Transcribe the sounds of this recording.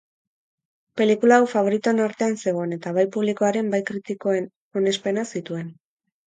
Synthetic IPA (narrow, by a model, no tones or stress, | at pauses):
pe̞likulaːwfaβ̞o̞ɾit̪uenaɾt̪e̞anse̞ɣ̞o̞ene̞t̪aβajpuβ̞liko̞aɾe̞mbajkɾit̪iko̞en | o̞ne̞spe̞nasit̪ue̞n